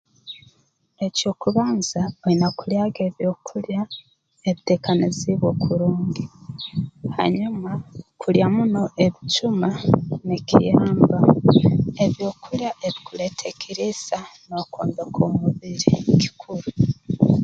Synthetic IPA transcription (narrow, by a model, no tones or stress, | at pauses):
eco̞ːkuβaːnzaoinakuljaːɡe̞ːβjo̞ːkʰulja | eβite̞ːkaniziβwo̞kuɾuːŋɡi | ha̰ɲumakʰuljamuno̞ʔe̞βicumanecʰḭjaːmba | eβjo̞kʰuljaʔeβikule̞tʰekʰiɾizanokʰo̰ːnd̪ekʰomuβiɾḛki̥kʰuɾu